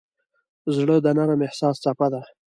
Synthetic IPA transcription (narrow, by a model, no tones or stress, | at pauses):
zɽəd̪anaɾəmehsɑːst͡sapad̪a